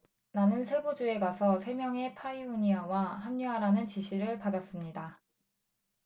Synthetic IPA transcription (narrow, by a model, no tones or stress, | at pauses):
nanɯnsʰe̞bod͡ʑue̞ɡasʰʌsʰe̞mjʌŋe̞pʰaiuɲiawaɦamɲuɦaɾanɯnt͡ɕiɕʰiɾɯɭpadas͈ɯmɲida